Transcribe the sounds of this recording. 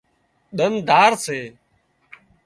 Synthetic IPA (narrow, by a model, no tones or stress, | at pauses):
ɗ̪ənd̪ʱaːɾseː